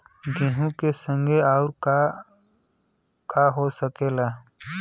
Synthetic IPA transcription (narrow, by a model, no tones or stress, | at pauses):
ɡɪ̃ɦũkesə̃ŋɡʱeaːʊɾ | kaɦosəkeːlaː